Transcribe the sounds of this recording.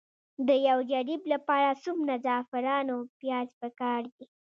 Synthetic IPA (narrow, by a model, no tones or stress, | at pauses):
d̪əjawd͡ʒaɽiblapɑɾasumnazɑfɪɾɑnopjɑzpəkɑɾd̪i